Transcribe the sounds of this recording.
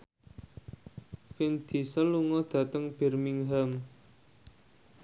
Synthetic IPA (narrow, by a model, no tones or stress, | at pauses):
fɪnd̪̥i̤səluŋɔd̪̥ä̤t̪əŋb̥ɛ̤rmiŋɦam